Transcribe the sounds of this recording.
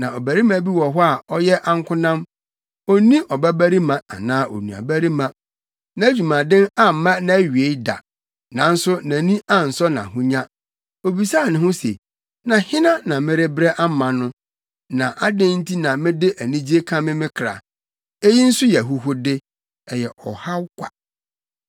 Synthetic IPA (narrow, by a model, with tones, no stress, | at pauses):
nã˨ɔ˨bæ˨ɾi˦mã˨˦bi˦wɔ˨ɦɔ˦a˨ɔ˦jɛ˦ʔa˦ŋ̩˦kʰʷʊ˦nã˦m | ɔ˦nĩ˦ʔɔ˨bæ˦bæ˦ɾi˦mã˨a̰˨nãː˦ʔɔ̰˨nũ˨a̰˨bæ˦ɾi˦mã˨ | nã˨˦æ˦d͡ʑᶣu˨mã˨dɪ̃˦na˦m̩˨˦mã˦nã˨æ˦ɥi˨e˦da̰˨ | nã˨n̩˦sʊ˦nã˨nĩ˦ʔa˦˨n̩˨sɔ˦nã̰˨ɦʊ̃˦ɲã˦ | o˨bi˨sa˦˨nɪ̃˨ɦʊ̃˦sḛ˨ | nã˨hɪ̃˦nã˦nã˨mɪ̃˦ɾɪ˦bɾɛ˦ʔa˦mã˨nʊ̃˦ | nã˨ʔa˦dɪ̃˦n̩˦tʰi˦nã˨mɪ̃˦dɪ˦ʔæ˨nĩ˦d͡ʑi˦e˦kʰã˦mɪ̃˦mɪ̃˦kʰɾa̰˨ | e˦ji˦n̩˦sʊ˦jɛ˨ɦʊ˦ɦʊ˦dɪ˦ | ɛ˨jɛ˨ʔɔ˨ha˦wkʷʰa̰˨